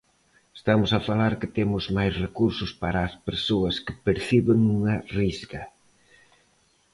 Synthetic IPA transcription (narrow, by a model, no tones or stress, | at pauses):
est̪amʊsɐfalaɾkɪt̪emʊzmajsrekuɾsʊspaɾaːspeɾsoɐskɪ̥peɾθiβɪŋuŋɐrizɡɐ